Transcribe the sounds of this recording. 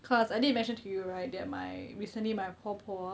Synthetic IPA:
kʰɔsajdidnmɛ̃nʃə̃ntʰujuɹaɪt̚dɛt̚ma̰jɹisə̃nlimaɪpʰɔpʰɔ

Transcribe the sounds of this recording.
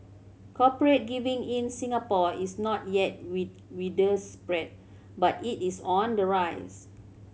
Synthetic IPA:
kʰɔpəɹet̚ɡivĩŋĩnsĩŋapɔisnɔt̚jɛt̚wit̚ | widəspɹɛt̚ | batitisɔ̃ndəɹajs

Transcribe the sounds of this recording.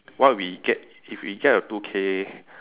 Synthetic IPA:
wawikɛ | ifikaːjat̪ukʰe

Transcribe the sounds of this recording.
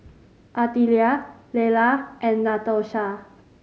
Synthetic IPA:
ʔat̪ilialelaʔɛnːat̪oʃa

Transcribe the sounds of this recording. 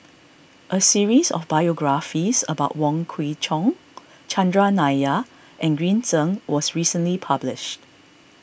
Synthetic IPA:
ʔəsiɹisɔ̰fbajɔɡɹafisə̰baʊt̚wɔ̃ŋkʰwit͡ʃɔ̃ŋ | t͡ʃʰãndɹanaa | ʔɛ̃nɡɹĩntʰə̃ŋwɔsɹisə̃nlipʰablɪʃt

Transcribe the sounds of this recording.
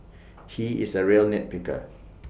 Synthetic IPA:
hiɪ̰səɹiəlnɛt̚pɪkə̰

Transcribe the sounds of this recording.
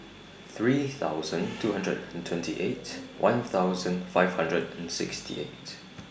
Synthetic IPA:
θɹiθa̰ʊzə̃ntʰuhãndɹə̰dɛ̃ntʰw̥ɛ̃ntʰiʔetwʔã̰nθaʊzə̃nfaɪv̥hãndɹədɛ̃nsɪkstʰḭʔḛt

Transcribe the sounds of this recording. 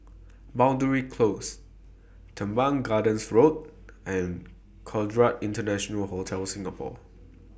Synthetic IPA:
bãw̃ndəɹikʰlos | tʰə̃mbãŋɡadə̃nsɹot̚ | ʔɛ̃n | kʰɔdɹatĩntənɛʃɔnəlhotʰɛlsɪ̃ŋɡəpʰɔ̰

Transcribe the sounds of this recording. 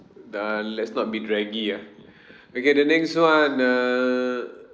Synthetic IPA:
alɛtsnɔt̚bidɹɛɡia | okedənɛkswãna

